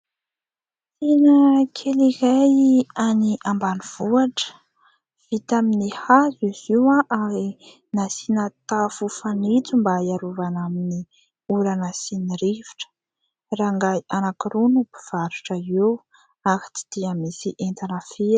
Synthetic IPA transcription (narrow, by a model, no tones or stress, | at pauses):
sinəkʰelikajaniambaniv̥uaʈ͡ʂə̥ | v̥it̪aminihaziz̥iwaʔaɾi | nasinat̪afufanit͡sumbaiaɾuvanamini | uɾanasiniɾivi̥ʈ͡ʂə̥ | raŋɡaanakiɾunupi̥v̥aɾuʈ͡ʂəew | aki̥t͡si̥d̪̥iamisiʔent̪anəfe